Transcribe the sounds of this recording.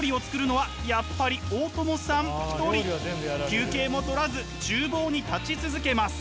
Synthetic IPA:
oɾʲio̞t͡sɨ̥kɯ̟ɾɯ̟no̞βa | japːaɾʲioːt̪o̞mo̞sãmi̥t̪o̞ɾʲĩkʲɨːke̞ːmo̞t̪o̞ɾazɨ | t͡ɕɨːbo̞ːɲ̟it̪at͡ɕit͡sɨzɨke̞masɨ̥

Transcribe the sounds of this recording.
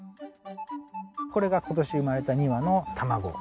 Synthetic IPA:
ko̞ɾe̞ɡako̞t̪o̞ɕiɯmaɾe̞t̪aɲ̟iβano̞t̪ʰamaɡo̞̰

